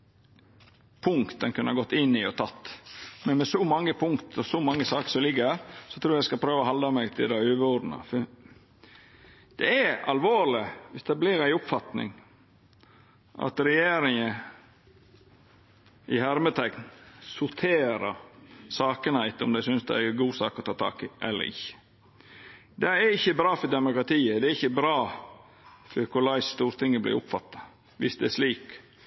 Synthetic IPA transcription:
pʰʊŋkt̪d̪ənkʰʉnəɑɡɔt̪ːɪnːɪɔt̪ʰɑt̪ːmɛnmɛsɔmɑŋːəpʰʊŋkt̪ʰɔsɔmɑŋːəsɑːkə̥sɔmlɪɡːəɾsɔt̪ʰɾuːɾjæɪskɑpʰɾøːʋɔhɑld̪ɑmæɡt̪ʰɪld̪ɛøːʋəɔd̪nɑ̰f | d̪̥ɛæɑlʋoːɾlɪʋɪsd̪ɛblɪɾæɪʊpfɑt̪nɪ̰ŋ | ʔɑ̰t̪ɾɛjeːɾɪŋə | ʔɪhæɾmət̪ʰɛknsʊɾt̪ʰeːɾəɾsɑːkənhæɪt̪ɔmd̪æɪsʏnsd̪ɛ̰æɡuːsɑːkɔt̪ʰɑːt̪ʰɑ̰ːkɪʔɛlːə̰ɾɪ̰çːə̥ | d̪ɛæɾɪçːəbɾɑːfɔd̪ɛmʊkɾɑt̪ʰiːəd̪ɛæɾɪçːəbɾɑː | fɔɾkʰʊlɑɪst̪uːɾt̪ʰɪŋːəblɪ̰ɾʊpfɑt̪ːɑ̥ | ʋɪsd̪ɛæʂliːk

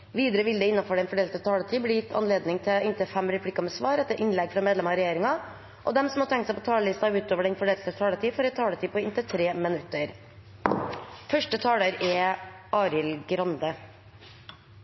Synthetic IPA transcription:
ʋiːd̪əɾəʋɪld̪əɪnːɑfɔɖɛnfɔɖeːlt̪ət̪ʰɑːlət̪ʰiːblɪːjɪt̪ʰːɑ̰nleːd̪nɪŋt̪ʰɪɪnt̪ʰəfɛmɾɛpʰlɪkɑməsʋɑːɾɛt̪ːəɾʔɪnlɛɡfɾɑmeːd̪lɛmɑɾɛjeːɾɪŋɑ | ʔɔ̰d̪ɛmsɔmhɑt̪ʰɛŋkt̪sæɪpʰɔt̪ʰɑːləlɪst̪ɑʉːt̪oːʋəɖɛnfɔɖeːllt̪t̪ʰɑːlət̪iːfɔɾɛt̪ʰɑːlət̪ʰiːpʰɔɪnt̪ət̪ʰɾeːmɪnʉt̪ːəɾ | fœʂʈət̪ʰɑːləɾɛʔɑːɾɪlɡɾɑnd̪ə

